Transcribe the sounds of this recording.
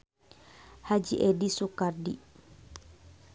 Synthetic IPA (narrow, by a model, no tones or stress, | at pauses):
had͡ʒḭʔɛdisukardi